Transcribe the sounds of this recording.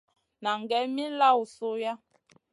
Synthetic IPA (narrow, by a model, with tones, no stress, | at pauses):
na˨ŋ˨ɡɛ˨˦mi˦n˦la˦˨wu˨so˦ja˦